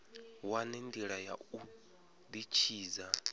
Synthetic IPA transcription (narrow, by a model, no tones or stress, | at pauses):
wanendiɺaja̰u | d̪it͡ʃʰiːza